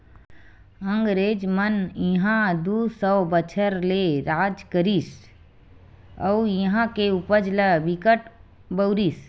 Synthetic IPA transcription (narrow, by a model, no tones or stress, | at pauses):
ə̃ŋɡɾeːd͡ʒmənjiɦãd̪usəwbət͡ʃʰəɾleɾaːd͡ʒkəɾis | əujəɦãkeupəd͡ʒləʋikəʈ | bəʊɾiːs